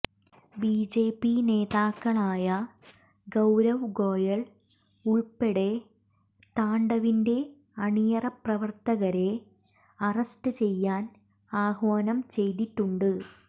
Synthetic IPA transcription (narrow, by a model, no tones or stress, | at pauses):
biːd͡ʑe̞ːpːine̞ːðaːkːɐɭaːjɐ | ɡɐwɾɐʋɡo̞ːjɐɭ | uɭpːeɽe̞ | t̪aːɳɖɐʋinde̞ | ɐɳijɐrɐprɐʋɐrt̪ɐɣɐɾe̞ | ɐrɐstɨt͡ɕe̞jːaːn | aːhʋaːnɐmt͡ɕe̞jt̪iʈːuɳɖɨ